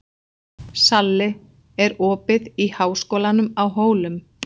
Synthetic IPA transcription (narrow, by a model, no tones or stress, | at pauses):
salːɪ | ɛɾɔːpɪðihaːwskowlanʏmawɦoːwlʏm